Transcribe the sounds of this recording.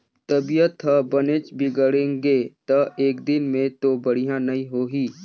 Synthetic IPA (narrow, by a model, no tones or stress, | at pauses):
t̪ɐbijət̪ɦəbənet͡ʃbʱɪɡəɽẽːŋɡet̪ɐeːkd̪ɪnmẽt̪obəɽ̤ijãnɐĩɦoːɦiː